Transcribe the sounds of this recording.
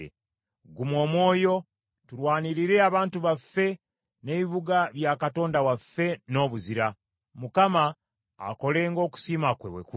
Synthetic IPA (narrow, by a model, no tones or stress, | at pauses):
ḛ | ɡumwo̞ːmwo̞ːjo̞ | tuɾwaːniɾiɾe̞aβaːntuβafe̞ | ne̞βiβuɡaβjaːkato̞ːndawafe̞no̞ːβuziɾa | mukama̰ː | ko̞le̞ːŋɡo̞ːku̥simakwḛwḛku